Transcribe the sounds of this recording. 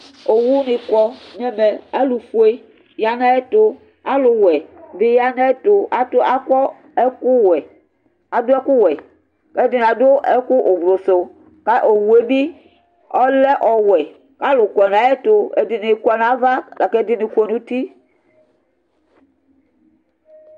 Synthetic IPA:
o˨wu˦nĩ˨kɔ˦ɲɛ˦me˨a˦lu˨fu˦e˦ | ja˨na˦e˦t̪o˦ | a˦lo˨wɛ˨be˦ja˦na˦e˦t̪o˨a˦t̪o˦a˦kɔ˦ | e˦ku˦wɛ˨ | a˨do˦ɛ˦ku˦wɛ˨ | ke˦di˦n˨ã˨do˦e˦ku˦ʔo˨ɡlo˨so˨ | ka˦ʔo˨wu˨e˦bi˦ | ɔ˦lɛ˦ʔɔ˨wɛ˨ | ka˦lo˨kʷɔ˨n˨ã˨˦e˦t̪o˦e˦d̪i˨ne˨˦kɔ˦nã˦va˦la˨kɛ˦d̪i˦nĩ˨ku˦e˨˦nũ˦t̪i˦

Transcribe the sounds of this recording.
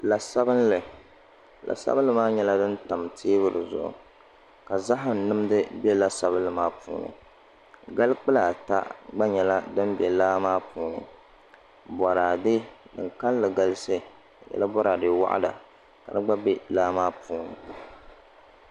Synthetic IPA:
la˨sa˦bɨ˦nlɨ˨ | lʔa̰˨sa̰˦bɨ˦lɨ˦maː˦ɲɛ˦la˦dɨ˦nta˨mtʰeː˦βɨ˦˨ɾɨ˨zʊ̰˨ʔʊ̰˨ | ka˨za˦ɦɨ˨m˨nɨ˦mdɨ˦bɛ˦la˦sa˦bɨ˦lɨ˨maː˦pṵː˦nɨ̰˨ | ɡa˦lɨ˦k͡pɨ˦la˨ta̰˦ɡ͡ba˦ɲɛ˨la˦dɨ˦nbɛ˨laː˦maː˦puː˦nɨ̰˨ | bɔ˨ɾaː˨dɪ˦dɨ̰˨ŋka˦llɨ˨ɡa˦lɨ˦sɨ˦˨ | jɛ̰˦la˦bɔ˦ɾa˨dɨ˨wa̰˦ʔa̰˦da̰˨ | ka˨dɨ˦ɡ͡ba˦be˦laː˦maː˦puː˦nɨ̰˨

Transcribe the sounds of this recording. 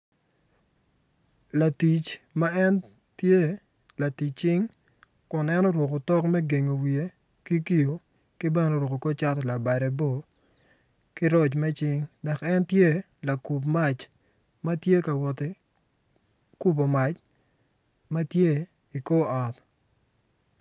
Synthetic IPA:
la˨ti˨t͡ʃma˦ɛ˦n | tje˦ | la˨ti˨t͡ʃ̚t͡ʃɪ˦ŋ | kʊ˨nɛ˦nɔ˦ɾwo˨ko˨tɔ˦kmɛ˦ɡe˨ŋo˨wie˨˦ | ki˦ki˦jo˨ | kɪ˦bɛ˦nɔ˨ɾwo˨ko˨ko˦t͡ʃa˦tla˨ba˨ɾɛ˨bo˦ | kɪ˦ɾɔ˦˨t͡ʃmɛ˦t͡ʃɪ˦ŋda˨kɛ˦ntje˦ | la˨ku˨pma˦t͡ʃ | ma˦tje˦ka˨wɔ˨te˨ | ku˦p̬o˨ma˨t͡ʃ | ma˦tje˦ | i˨ko˦ɔ˨t

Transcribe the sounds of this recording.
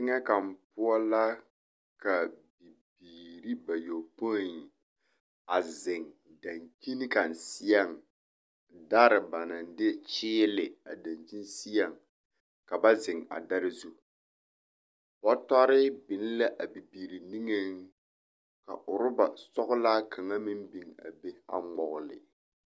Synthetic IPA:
ɪ˦ŋɛ˦ka˨mpʊ˦ɔ˦la˦ | ka˨bi˨biː˨ɾi˦ba˨jo˨po˦˨ | a˨zɪ˨ŋ | da˨ŋki˦ni˦ka˨n˨sɪ˦a˦˨ŋ | da˦ɾɪ˨ba˨na˨ndɪ˦t͡ʃɪː˦lɪ˨a˨da˨nd͡ʒi˦n˦si˦a˨ŋ | ka˨ba˦zɪ˨ŋa̰˨da˦ɾɪ˦zu˦ | bɔ˦tɔ˦ɾɪ˦bɪ˨n˦la˦ʔa˨bi˨biː˨ɾi˨ni˦ŋe˦ŋ | ka̰˨ʔʊ˨ɾʊ˦ba˨sɔ˦ɣʊ˦laː˦kʰa˨ŋa˦mɪ˦mbi˨ŋa̰˨be˦a̰˨ŋ͡mɔ˨ɣʊ˨lɪ̰˨

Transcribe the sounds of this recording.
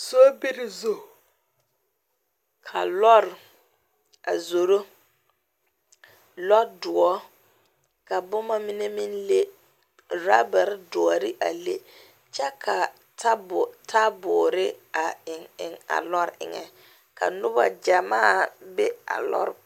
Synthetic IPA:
soː˦bi˦ɾi˦zo˦˨ | kʰa̰˨lɔ˦ɾ | a̰˨zo˨ɾo˦ | lɔ˦dʊ˨ɔ˦ | ka˨bʊ˦ma˦mɪ˦nɛ˦mi˦nle˦ | ɾa˦ba˨ɾdʊ˨ɔ˨ɾɪ˦ʔa˨le˦ | t͡ʃɛ˦kʰa˨ | ta˦btʰa˦bʊ˨ɾɪ˦a˨ɪ˨ŋɪ̰˨ŋa̰˨lɔ˦ɾɪ̰˨ŋɛ̰˨ | kʰa̰˨nʊ˦ba̰˦d͡ʒa˨maː˦˨bɛ˦a̰˨lɔ̰˦ɾ

